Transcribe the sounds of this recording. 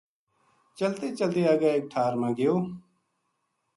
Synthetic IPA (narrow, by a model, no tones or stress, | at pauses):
t͡ʃəlt̪eːt͡ʃəlt̪eːaɡaːek̚ʈʰaːɾmãːɡɪjoː